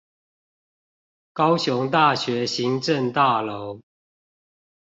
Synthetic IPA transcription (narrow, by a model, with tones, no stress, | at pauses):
kɑ˦ʊɕjʊ˨˧˦ŋt̪a˥˨ɕɥɛ˨˦ɕi˨˦ŋʈ͡ʂə˥˨ŋt̪a˥˨lo˨˦ʊ